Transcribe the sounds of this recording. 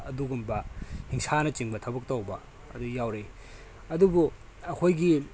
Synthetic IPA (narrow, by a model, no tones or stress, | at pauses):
ɐduɡumbɐhiŋsanɐt͡ʃiŋbɐtʰɐbɐk̚towbɐ̰ː | dujawɾe | ɐdubu | ɐkʰojɡi